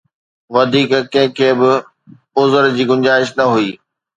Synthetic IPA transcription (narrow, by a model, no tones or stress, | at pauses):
ʋɐd̪ʱiːkkɐ̃ɦɪ̃kʰeːbɪ | ʊzəɾd͡ʑiːɡʊ̃ɲd͡ʑaːɪʃnɐɦuiː